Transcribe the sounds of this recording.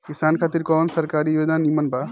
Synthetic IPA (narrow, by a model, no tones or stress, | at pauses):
kisaːnkʰaːt̪iɾkɔːnsəɾkaːɾijoːd͡ʒnanimənbʱa